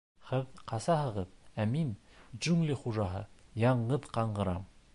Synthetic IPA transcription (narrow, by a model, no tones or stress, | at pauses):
hɘðqɑsɑhɤ̆ʁɤðæminʒʉŋlɘχuʒɑɦɤ̰jɑɴɢɤðqɑɴɢɤ̆ɾɑm